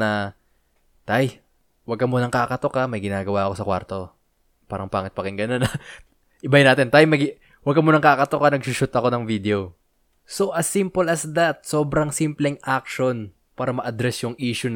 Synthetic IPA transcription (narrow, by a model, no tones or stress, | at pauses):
nɐ | t̪aj | wɐɡ̚kɐmonɐŋkakɐt̪okɐmɐjɡɪnaːɡɐwaʔɐko̞sɐkwa̰ɾt̪o̞ | paːɾɐŋpaːŋɪt̪̚pɐkɪŋɡɐnonɐ | ʔɪbajɪnaːt̪ɛnt̪ajmɐɡ | wɐɡ̚kɐmonɐŋkakɐt̪okɐnɐɡ̚sʊʃʊt̪ɐko̞nɐŋvid̪ɛo | soʔɐsːimpolɐsd̪ɐt̪̚so̞ːbɾɐŋsimplɛŋʔak̚ʃo̞n | paːɾɐmɐʔɐd̪ɾɛsjʊŋʔiːʃʊn